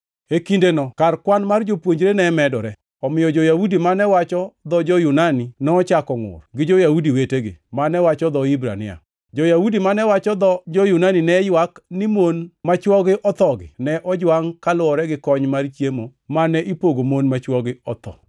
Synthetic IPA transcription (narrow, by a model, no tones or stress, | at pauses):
ekindenɔkarkwanmard͡ʒopwoɲd͡ʒɾenɛmɛdɔɾɛ | ɔmɪjɔd͡ʒɔjaudimanɛwat͡ʃɔd̪ɔd͡ʒɔjunaninɛɔt͡ʃakɔŋʊ̰rɡɪd͡ʒojaudiweteɡɪ̰manɛwat͡ʃɔd̪ɔɪbɾa̰nɪ̰a̰ | d͡ʒɔjawudimanɛwat͡ʃɔd̪ɔd͡ʒɔjunaninɛjwaknɪmonmat͡ʃwɔɡɪʔɔt̪ɔɡɪ̰nɛʔɔd͡ʒwaŋkalʊwɔɾɛɡɪkɔɲmart͡ʃjemomanɛʔipoɡomonmat͡ʃwɔɡɪɔt̪ɔ̰